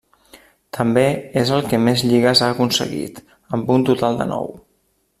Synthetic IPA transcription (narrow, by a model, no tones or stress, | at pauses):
t̪ʰəmbeezəlˠkəmezʎiɣəzaəkunsə̰ɣḭt̪ | əmbunt̪ut̪alˠd̪ə̰nɔ̰w